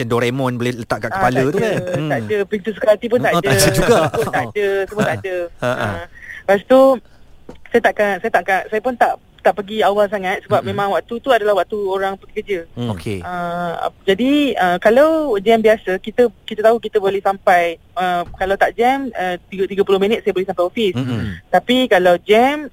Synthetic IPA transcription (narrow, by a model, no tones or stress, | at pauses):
t͡ʃəndoɾemɔ̃nbolɛlət̪aʔkaəapalət̪ukant̪aʔdəpint̪usə̥kalt̪ip̬ʊnt̪aʔdəd͡ʒuɡapput̪aʔdəsup̬unt̪aʔdəəpast̪u | sajət̪aʔkansajət̪aʔkaʔsajəpʊnt̪aʔ | t̪aʔpəɡiawals̬aŋãt̪̚səbap̚mẽmãŋwaʔt̪ut̪uadalahwaʔt̪uoɾaŋpəɡikəd͡ʒəokeə̰d͡ʒadiəkalawd͡ʒɛmbiasəkit̪əkit̪ət̪aɦukit̪əbolɛhsampaj | əkalawt̪aʔd͡ʒɛmət̪iɡt̪iɡəpulohmĩnət̪̚sajəbolɛhsampajɔfist̪apikalawd͡ʒɛm